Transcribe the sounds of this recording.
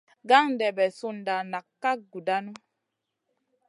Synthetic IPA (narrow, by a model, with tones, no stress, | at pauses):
ɡa˦ŋ˨dɛ˨bɛ˨su˦n˨da˨na˨kːa˦ɡu˨da˦nu˦